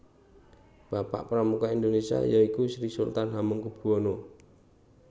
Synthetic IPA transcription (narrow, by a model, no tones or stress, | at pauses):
b̥apa̰ʔpəɾamukaind̪onesia̰jaikusɾisṵlt̪anɦaməŋkub̥uono